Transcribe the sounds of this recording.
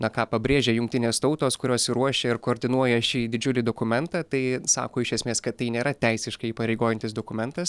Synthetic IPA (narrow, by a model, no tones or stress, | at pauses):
nɐkɑːpɐbʲɾʲeːʒʲeːjʊŋkt̪ʲɪnʲeːst̪ɔʊt̪oːskʊɾʲoːsɪɾuɔʃʲeːɪɾkoːɾʲd̪ʲɪnuɔjɛʃʲiːd̪ʲɪd͡ʒʲʊlʲɪd̪oːkʊmʲɛnt̪ɑːt̪ɐɪsɑ̰ːkoːɪʃʲiɛsʲmʲeːskɐt̪tːɐɪnʲeːɾɐt̪ʲɛɪsʲɪʃkɐɪiːpɐɾʲɛɪɡoːjɛnʲt̪ʲɪsd̪oːkʊmʲɛnt̪ɐs